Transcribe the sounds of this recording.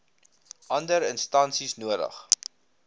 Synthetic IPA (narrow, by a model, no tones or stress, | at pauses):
ʔɐndəɾənstɐnsisnuədə̰χ